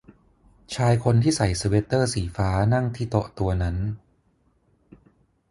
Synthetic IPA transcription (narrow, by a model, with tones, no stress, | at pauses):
t͡ɕʰaː˧jkʰo˧nt̪ʰiː˥˩sa˩˦jsə˧we˦˥t̪ːɤː˥˩siː˩˦faː˦˥na˥˩ŋt̪ʰiː˥˩t̪ɔ˨˩t̪u˧ɐna˦˥n